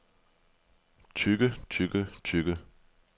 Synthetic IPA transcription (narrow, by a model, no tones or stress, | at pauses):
t͡ɕʰyɡ̥ət͡ɕʰyɡət͡ɕʰyɡ̥ə